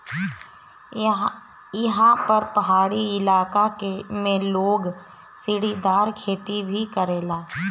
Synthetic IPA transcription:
jɐɦãpɐɾpɐɦaːɽiɪlaːkakemẽloːɡ | sɪɽid̪aːɾkʰeːt̪ibʱikɐɾeːlaː

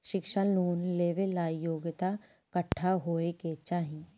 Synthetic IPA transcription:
ʃɪkʃaluːnleːʋelaːjoːɡɪt̪a | kəʈʰːaɦoːeket͡ʃaːɦĩ

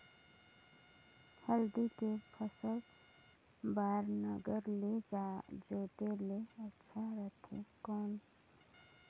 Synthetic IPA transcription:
həld̪ikepʰəsəl | baːɾnəɡəɾled͡ʒaːd͡ʒoːt̪eleətːʃʰaɾət̪ʰḛkɔːn

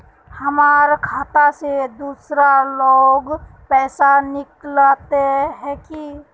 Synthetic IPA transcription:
hɐmaːɾkʰaːt̪ased̪uːsɾaloːɡpɛːsanɪklat̪eɦɛ̃ki

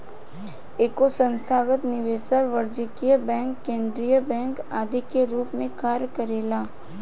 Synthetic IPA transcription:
eːkosə̃nst̪ʰaːɡət̪nɪʋeːsəɾʋɐɾd͡ʒəkijəbɛ̃ːŋkːẽːnd̪ɾijəbɛ̃ːŋkaːd̪ʱikeɾuːpmẽkaːɾjkəɾeːlaː

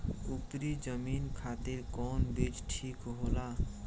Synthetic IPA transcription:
upɾid͡ʒəminkʰat̪iɾkɔnbid͡ʒʈʰikɦola

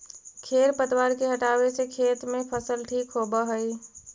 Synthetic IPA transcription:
kʰeɾpət̪waɾkeɦəʈaʋesekʰet̪mẽpʰəsəlʈʰikɦobəɦəj

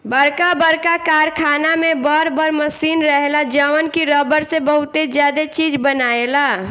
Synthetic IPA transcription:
bəɾkabəɾkakaɾkʰanamebəɾbəɾməsinɾəɦelad͡ʒəʋənkiɾəbəɾsebəɦut̪ed͡ʒjad̪et͡ʃid͡ʒbənaela

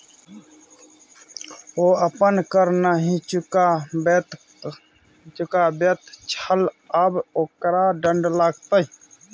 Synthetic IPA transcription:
oːəpənkəɾnaɦĩt͡ʃʊkabet̪ | t͡ʃʊkabjət̪t͡ʃʰəl | əboːkɾaɖəɳɖlaːɡ̚t̪əi

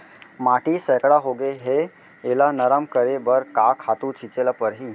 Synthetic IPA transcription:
maʈisəkɽaɦoɡeɦe | elanəɾəmkəɾebəɾkakʰat̪ut͡ʃʰit͡ʃelapəɾɦi

